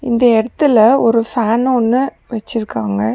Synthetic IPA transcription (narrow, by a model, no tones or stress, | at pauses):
ɪnd̪ɐɛɽɐt̪ːɯlɐɔɾɯfaːnɔnːɯ | ʋɛt͡ʃːɪɾɯkːaːŋɡɐ